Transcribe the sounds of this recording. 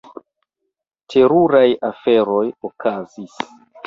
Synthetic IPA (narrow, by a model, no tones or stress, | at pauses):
tʰe̞ɾuɾajafe̞ɾo̞jokʰazis